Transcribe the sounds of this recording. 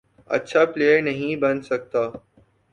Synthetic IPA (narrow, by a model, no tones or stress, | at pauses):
ɐ̰tːʃʰapleːjəɾnɐɦĩbɐnsɐk̚t̪aː